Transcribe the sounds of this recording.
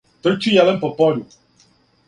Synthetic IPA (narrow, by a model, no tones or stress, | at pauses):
tət͡ʃujalɛm̩pɔpɔdu